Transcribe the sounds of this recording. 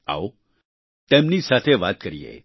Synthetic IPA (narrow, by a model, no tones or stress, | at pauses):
a̰o | t̪emnisat̪ʰeʋa̰ːt̪̚kəɾijḛ